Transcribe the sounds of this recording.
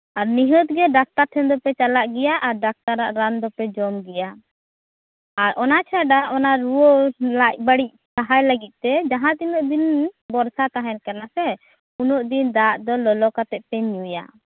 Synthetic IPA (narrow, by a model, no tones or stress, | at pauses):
aɾniɦɔt̪̚ɡɛɖak̚t̪aɾt̪ʰɛnd̪ɔpɛt͡ʃalaʔɡɛjaʔaɾɖak̚t̪aɾaʔɾand̪ɔpɛd͡ʒɔmɡɛja | ɾʔɔnat͡ʃʰaɖaʔɔnaɾuɔlaʔ̚baɽic̚saɦajlaɡit̪̚ˀt̪ɛd͡ʒaɦãt̪inɔʔd̪inbɔɾsat̪aɦɛnkanasɛ | unɔʔd̪ind̪aʔd̪ɔlɔlɔkat̪ɛʔ̪̚pɛɲuja̰